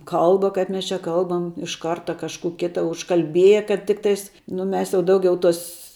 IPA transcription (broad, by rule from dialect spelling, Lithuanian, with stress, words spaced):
ˈkɐlˠbɐ kɐɪp ˈmʲɛs t͡ʃʲɛ ˈkɐlˠbɐm ɪʃ ˈkɐrtɐ kɐʃˈkuː ˈkʲɪtɐ ʊʃkɐlʲˈbʲiɛjɛ kɐt ˈtʲɪktɐɪs nʊ ˈmʲɛs jɛʊ ˈdɐʊɡʲɛʊ ˈtoːs